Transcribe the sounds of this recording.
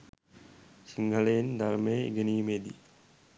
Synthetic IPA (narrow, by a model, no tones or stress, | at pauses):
siŋɡʱəlejind̪alməjḭɡeniːmeːd̪ḭ